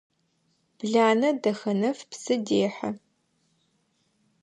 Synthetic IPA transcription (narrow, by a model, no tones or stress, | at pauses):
b̥ɮaːnɐdɐxɐnɐfpsɨdeːħɐ̰